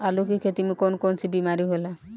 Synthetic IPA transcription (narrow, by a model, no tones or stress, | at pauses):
alukikʰet̪imikonkont͡ʃʰibimaɾiɦola